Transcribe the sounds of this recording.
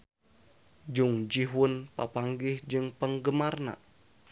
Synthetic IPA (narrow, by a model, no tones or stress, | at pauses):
d͡ʒuŋd͡ʒiɦʊnpapaŋɡɪhd͡ʒɨŋpəŋɡəmarna̰